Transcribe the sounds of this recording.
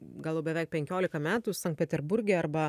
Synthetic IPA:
ɡɐlˠoʊbʲɛʋʲɛˑɪk̚pʲɛŋʲkʲoːlʲɪkɐmʲæːt̪usɐŋkt̪̚pʲɛt̪ʲɛɾbʊɾʲɡʲɛɐɾbɐ

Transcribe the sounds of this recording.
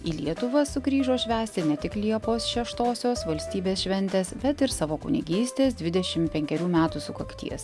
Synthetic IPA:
iːlʲiɛt̪ʊʋɐsʊkɾʲiːʒoːʃʲʋʲæːsʲt̪ʲɪnʲɛt̪ʲɪklʲiɛpoːsʃʲɛʃt̪oːsʲoːsʋɐlʲsʲt̪ʲiːbʲeːsʃʲʋʲɛnʲt̪ʲeːsbʲɛt̪ɪɾsɑːʋoːkʊnʲɪ̰ɡʲiːsʲt̪ʲeːs̬d̪ʲʋʲɪd̪ʲɛʃʲɪmpʲɛŋʲkʲɛɾʲuːmʲæːt̪usʊkɐkt̪ʲḭɛs

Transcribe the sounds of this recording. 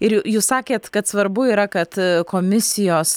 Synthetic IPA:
ɪɾjujuːssɑːkʲeːt̪kɐt̪sʋɐɾbʊiːɾɐkɐt̪koːmʲɪsʲɪjoːs

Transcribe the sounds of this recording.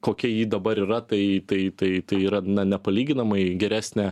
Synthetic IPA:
koːkʲɛjiːd̪ɐbɐɾiːɾɐt̪ɐɪt̪ɐɪt̪ɐɪt̪ɐɪiːɾɐnɐnʲɛpɐlʲiːɡʲɪnɐmɐɪɡʲɛɾʲæːsʲnʲɛ

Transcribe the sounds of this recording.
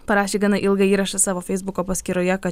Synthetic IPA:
pɐɾɑːʃʲeːɡɐnɐʔɪlˠɡɐiːɾɐʃɐsɑːʋoːfʲɛɪzbʊkoːpɐsʲkʲiːɾoːjɛkɐ

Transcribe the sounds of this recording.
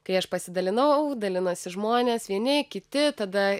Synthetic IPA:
kɐɪɐʃpɐsʲɪd̪ɐlʲɪnɐʊd̪ɐlʲɪnosʲɪʒmoːnʲeːsʋʲiɛnʲɪkʲɪt̪ʲɪt̪ɐd̪ɐ

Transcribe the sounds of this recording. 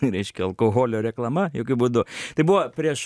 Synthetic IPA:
ɾʲɛɪʃʲkʲɛɐlˠkoːɣoːlʲoːɾʲɛklˠɐmɐjoːkʲʊbuːd̪ʊt̪ɐɪbʊʋɐpʲɾʲiɛʃ

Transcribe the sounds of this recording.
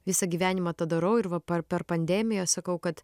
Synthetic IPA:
ʋʲɪsɐɡʲiːʋʲæːnʲɪmɐt̪ɐd̪ɐɾɐʊɪɾʋɐpɐpʲɛɾpɐnʲd̪ʲɛmʲɪjoːsɐkɐʊkɐt̪

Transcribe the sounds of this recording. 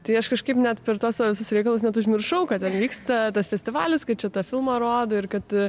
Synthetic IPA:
t̪ɐɪɐʃkɐʃkɐɪpnʲɛt̪pʲɛɾt̪oːsɑoʋʲɪsʊsɾʲɛɪkɐlˠʊs̬nʲɛt̪ʊʒʲmʲɪrʃɐʊkɐtt̪ʲɛnʋʲiːkst̪ɐt̪ɐsfʲɛsʲt̪ʲɪʋɑːlʲɪskɐt̪̚t͡ʃʲɛt̪ɐfʲɪlˠmɐɾoːd̪oːɪɾkɐt̪

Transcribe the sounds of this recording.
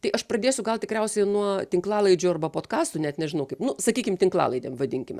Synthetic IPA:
t̪ɐɪʔɐʃpɾɐd̪ʲeːsʲʊɡɐlˠt̪ʲɪkɾʲɛʊsʲɛɪnuɔt̪ʲɪŋklˠɑːlˠɐɪd͡ʒʲʊɐrbɐpoːt̪kɑːst̪ʊnʲɛt̪nʲɛʒʲɪnɐʊkɐɪpnʊsɐkʲiːkʲɪmt̪ʲɪŋklˠɑ̰ːlˠɐɪd̪ʲeːmʋɐd̪ʲɪŋʲkʲɪmʲɛ

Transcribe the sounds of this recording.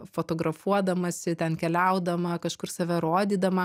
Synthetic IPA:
foːt̪oːɡɾɐfuɔd̪ɐmɐsʲɪt̪ʲɛnkʲɛlʲɛʊd̪ɐmɐkɐʃkʊrsɐʋʲɛɾoːd̪ʲiːd̪ɐmɐ

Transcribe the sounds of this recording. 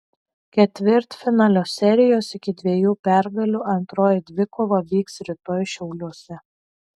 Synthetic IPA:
kʲɛt̪ʲʋʲɪɾt̪fʲɪnɑːlʲoːsʲɛɾʲɪjoːsɪkʲɪd̪ʲʋʲiɛjuːpʲæˑɾɡɐlʲuːʔɐnt̪ɾoːjɪd̪ʲʋʲɪkoːʋɐʋʲiːksɾʲɪt̪oːjʃʲɛʊlʲuɔsʲɛ

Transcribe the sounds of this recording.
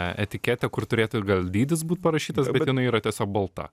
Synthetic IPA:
ɛ̰t̪ʲɪkʲæːt̪ʲɛkʊrt̪ʊɾʲeːt̪ʊɪɡɐlʲˠd̪ʲiːd̪ʲɪsbuːt̪̚pɐɾɐʃʲiːt̪ɐsbbʲɛt̪jɪnɐɪiːɾɐt̪ʲiɛsʲoːk̚bɐlˠt̪ɑ̰

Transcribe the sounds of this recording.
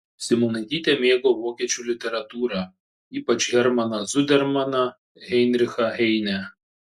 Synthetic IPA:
sʲɪmonɐɪd̪ʲiːt̪ʲemʲeːɡoːʋoːkʲiɛt͡ʃʲuːlʲɪt̪ʲɛɾɐt̪uːɾɑ | iːpɐt͡ʃʲɣʲɛɾmɐnɐzʊd̪ʲɛɾmɐnɐ | ɛɪnʲɾʲɪxɐɛɪnʲɛ

